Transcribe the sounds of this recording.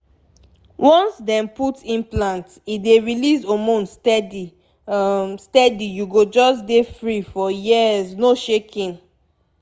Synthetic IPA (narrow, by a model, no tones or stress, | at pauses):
wɔ̃nsdɛ̃mputĩnplãnt | ideɹilisomõnstɛdi | stɛdijuɡod͡ʒɔsdefɹifɔjiznoʃekʰĩn